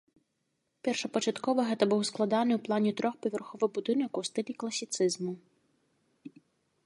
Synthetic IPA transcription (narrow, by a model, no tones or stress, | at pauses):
pʲɛrʃɐpɔt͡ʃɐt̪kɔʋɐɦɛt̪ɐbuwsklˠɐd̪ɑnɪwplˠɑnʲit̪ɾɔxpɔʋʲerxɔʋɪɣbʊd̪ɪnɔkuwst̪ɪlʲiklˠɐsʲɪt̪sɪzmʊ